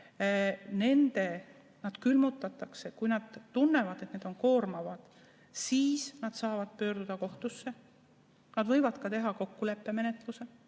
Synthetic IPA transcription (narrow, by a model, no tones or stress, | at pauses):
ne̞nd̪̥e̞ | nɑd̪̥kylmut̪ːˑɑt̪ːˑɑkse̞kujnɑd̪̥t̪unːe̞vɑd̪̥e̞t̪ned̪̥onko̞ːrmɑvɑd̪̥ | siːsnɑd̪̥sɑːvɑd̪̥pø̞ːɾrd̪ud̪̥ɑko̞ht̪usːe̞ | nɑd̪vɤ̞jvɑd̪̥kɑt̪e̞ɦɑko̞kːule̞pːe̞me̞ne̞t̪luse̞